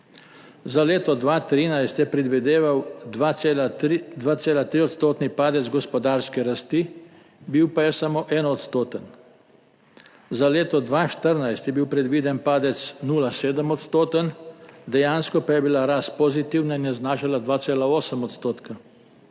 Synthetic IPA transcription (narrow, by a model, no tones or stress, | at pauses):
zaleːt̪ɔd̪ʋaːt̪ɾiːnajst̪jɛpɾɛd̪ʋɛd̪eːʋawd̪ʋald̪ʋaːt̪seːlat̪ɾiːɔt̪st̪oːt̪nipaːd̪ɛd̪zɡɔspɔd̪aːɾskɛɾast̪i | biwpajɛsamoːʔɛːnɔt̪st̪oːt̪ən | zaleːt̪ɔd̪ʋaːʃt̪əɾnajst̪jɛbiwpɾɛd̪ʋiːd̪ɛnpaːd̪ɛt̪snuːlaseːd̪əmɔt̪st̪oːt̪ənd̪ɛjaːnskɔpajɛbilaɾaspɔzit̪iwnainjɛznaːʃalad̪ʋaːt̪seːlaoːsəmɔt̪st̪oːt̪ka